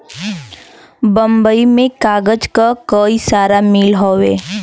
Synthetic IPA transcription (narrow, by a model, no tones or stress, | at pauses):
bə̃mbəimẽkaːɡəd͡ʒkakəisaːɾamilɦoːweː